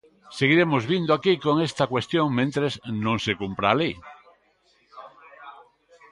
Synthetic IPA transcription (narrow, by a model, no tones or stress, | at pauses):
seɣ̞iɾemozβind̪oakikoŋest̪akwest̪joŋmẽnt̪ɾeznõŋsekumpɾaːlej